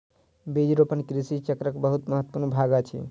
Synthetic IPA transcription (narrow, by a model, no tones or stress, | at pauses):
bed͡ʒɾopənkɾisit͡ʃəkɾəkbəɦut̪məɦət̪ːə̥puɾnbʱaɡat͡ʃʰḭ